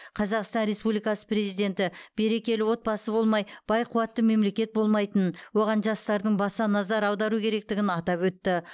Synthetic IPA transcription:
qʰɑzɑqst̪ɑnɾe̞spublijkɑsə̥pre̞zijd̪ʲe̞nt̪ɪb̥e̞ɾe̞kʲe̞lɪwo̞t̪̚bɑsəbo̞lˠmɑjb̥ɑjqʰuwɑt̪ːəme̞mle̞kʲe̞t̪̚bo̞lˠmɑjt̪ənwo̞ʁɑnʒɑst̪ɑɾd̪əɴbɑsɑnɑzɑɾɑwd̪ɑɾukʲʰe̞ɾe̞k̚t̪ɪɡʲɪnɑt̪ɑpwɵt̪ːɪ

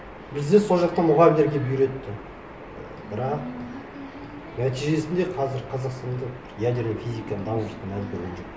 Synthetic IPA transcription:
bɪzd̪e̞so̞lˠʒɑq̚t̪ɑmʊʁɑbɪleɾɡʲebʏjɾe̞t̪ːɪ | bɪɾɑq̚ | næt̪iʒe̞sɪnd̪e̞qʰɑzɪɾqʰɑzɑqst̪ɑnd̪əq | jæd̪eɾnofʲijzijkɑnd̪ɑmut̪ənæd̪ɪkʲʰɵɾɡʲenʒo̞q

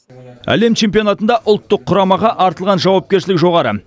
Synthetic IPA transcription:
æ̰le̞mt͡ʃʰe̞mp̬io̞nɑt̪ənd̪ɑʔʊlˠt̪ːəqʰːʊɾɑmɑʁɑʔɑɾt̪əlˠʁɑnʒɑwɑp̚kʲe̞ɾʃɪlɪkʒo̞ʁɑɾə̰

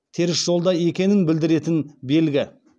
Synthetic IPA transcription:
t̪ʰe̞ɾɪsʒ̥o̞lˠd̪ɑje̞kʲe̞nɪnbɪld̪ɪɾe̞t̪ɪnbe̞lɡʲɪ

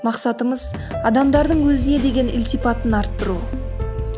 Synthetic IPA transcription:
mɑqsɑt̪əməz | ɑd̪ɑmd̪ɑɾd̪əɴwɵzɪne̞d̪e̞ɡʲe̞nʔɪ̰lt̪ijpɑt̪ənɑɾt̪ːəɾu

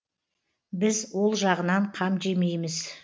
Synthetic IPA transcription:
bɪzwo̞lˠʒɑʁənɑɴqʰɑmʒe̞me̞jmɪz̥

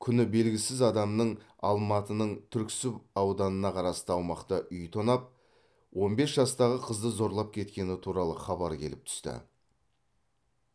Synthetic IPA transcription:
kʲʰʏnɪbe̞lɡʲɪsɪzɑd̪ɑmnəɴ | ɑ̰lˠmɑt̪ənəɴt̪ʰʏɾkʲsɪpɑwd̪ɑnənɑqʰɑɾɑst̪əɑwmɑqt̪əʔʏjt̪ʰonɑp̚ | wʔo̞nbe̞sʒɑst̪ɑʁəqʰəzd̪əzo̞ɾlˠɑp̚kʲʰe̞t̪̚kʲe̞nɪt̪ʰuɾɑlˠəχɑbɑɾkʲʰe̞lɪp̚t̪ʰʏ̥st̪ɪ̰

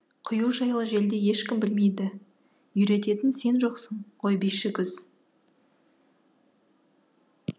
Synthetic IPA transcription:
qʰʊjuwʒɑjlˠəʒe̞ld̪e̞je̞ʃkʲɪmbɪlme̞jd̪ɪ | jʏɾe̞t̪e̞t̪ɪnse̞nʒo̞qsəɴqʰo̞jbiʃɪkʲʰʏz̥

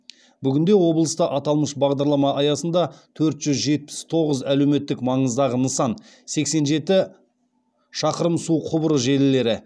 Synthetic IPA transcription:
bʏɡʲɪnd̪e̞wo̞blˠəst̪əʔɑt̪ɑlˠməʃbɑʁd̪ɑɾlˠɑmɑʔɑjɑsənd̪ɑt̪ʰɵɾt̪ʒ̥ʏzʒe̞t̪̚pɪ̥st̪ʰo̞ʁəzælewme̞t̪ːɪkmɑɴəzd̪ɑʁənəsɑn | se̞kse̞nʒe̞t̪ɪ | ʃɑqəɾəmsuqʰʊbəɾəʒe̞lɪle̞ɾɪ

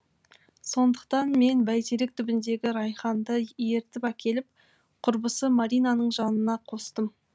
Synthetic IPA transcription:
so̞nd̪əq̚t̪ɑnme̞nbæjt̪ʰeɾek̚t̪ʰʏbɪnd̪e̞ɡʲɪɾɑjχɑnd̪əje̞ɾt̪ɪpækʲʰe̞lɪp̚ | qʰʊɾbəsəmaɾijnanəɴʒɑnənɑqʰo̞st̪əm

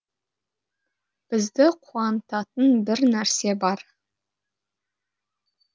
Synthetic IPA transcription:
b̥ɨzd̪ɪqʷʰuɑntʰatʰɨnbɨrnærsebɑr

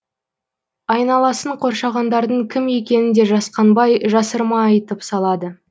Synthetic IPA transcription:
ɑjnɑlˠɑsəɴqʰo̞ɾʃɑʁɑnd̪ɑɾd̪əɴkʲʰɪmje̞kʲe̞nɪnd̪e̞ʒɑsqɑnbɑjʒɑsəɾmɑɑjt̪əpsɑlˠɑd̪ə

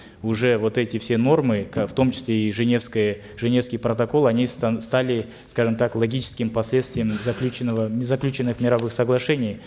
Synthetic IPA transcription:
ʊʐɛvo̞t̪ɛtʲɪfsʲe̞no̞rmɨkaft̪o̞mt͡ɕɪ̥sʲlʲeiʐɨnʲe̞fskəjə | ʐɨnʲe̞fskʲɪjpɾət̪ɐko̞lˠɐnʲisst̪alʲɪ | skaʐɨmt̪aklˠɐɡʲit͡ɕɪ̥skʲɪmpɐsʲlʲe̞t̪st̪vʲɪjəmzɐklʲʉt͡ɕɪnːəvəzɐklʲʉt͡ɕɪnːɨxmʲɪɾɐvɨxsəɡlˠɐʂɛnʲɪj

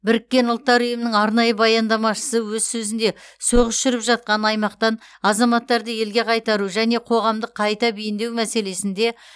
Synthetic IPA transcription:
bɪɾɪkʲːe̞nʊlˠt̪ːɑɾʏjəmɪnəŋɑɾnɑjəbɑjɑnd̪ɑmɑʃə̥səwɵzsɵzɪnd̪e̞so̞ʁəsʃʏɾɪpʒɑt̪̚qɑnɑjmɑqt̪ɑnɑzɑmɑt̪ːɑɾd̪əje̞lɡʲe̞qʰɑjt̪ɑɾuʒæne̞qʰo̞ʁɑmd̪əqʰɑjt̪ɑbijɪnd̪e̞wmæse̞le̞sɪnd̪e̞

